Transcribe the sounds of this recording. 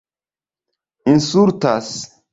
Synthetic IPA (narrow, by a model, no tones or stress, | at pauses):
insuɾtas